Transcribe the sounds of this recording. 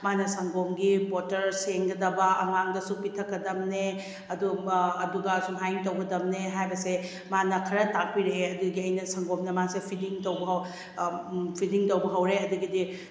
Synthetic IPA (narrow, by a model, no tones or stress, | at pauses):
manɐsɐŋɡomɡibotɐɾseŋɡɐdɐbɐʔɐŋaŋdɐsupitʰɐkːɐdɐmne | ɐduɐduɡɐsumɦajntɐwɡɐdɐmneɦajbɐse | manɐkʰɐɾɐtak̚piɾeɐduɡiɐjnɐsɐŋɡomnɐmasepʰidiŋtowbɐɦw | pʰidiŋtɐwbɐɦɐwɾeɐduɡidi